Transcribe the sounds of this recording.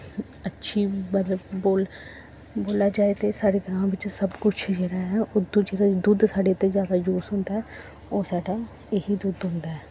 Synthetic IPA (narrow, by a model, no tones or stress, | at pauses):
ətːʃʰiːmət̪ləbboːl | boːlaːd͡ʒaːet̪eːsaːɽeːɡɾãːʋɪt͡ʃsəbkʊt͡ʃʰd͡ʒeːɽaːɦɛʊd̪ːõd͡ʒeːɽaːd̪ʊd̪saːɖeːt̪ezjaːd̪aːd͡ʒoːsɦʊ̃nd̪aːɦɛː | oːsaːɖaː | eɦid̪ʊd̪ɦʊ̃nd̪aːɛː